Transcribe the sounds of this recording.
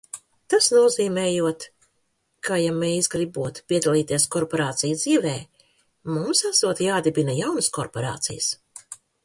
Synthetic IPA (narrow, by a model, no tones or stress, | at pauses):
t̪asnuɔziːmɛːjuɔt̪ | kajamɛjzɡɾibuɔt̪pʲiɛd̪alˠiːt̪iɛskɔɾpɔɾaːt̪sijd̪ziːvɛː | mumsasuɔt̪jaːd̪ibʲinajawnəskɔɾpɔɾa̰ːt̪sḭjə̰s